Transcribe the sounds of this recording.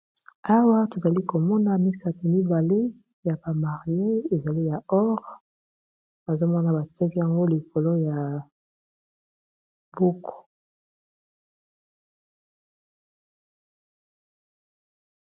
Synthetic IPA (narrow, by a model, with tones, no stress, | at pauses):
a˦wa˦to˨za˨li˦ko˨mɔ˦na˦mi˦sa˨ti˨mi˦ba˨le˦ | ja˨ba˨ma˨ʁi˨e˦e˨za˨li˦ja˨ɔ˦ʁ | ba˨zo˦mɔ˦na˦ba˨tɛ˦ki˦ja˨ŋɡo˦li˨ko˨lo˦ja˨ | bu˦kʰo̥˨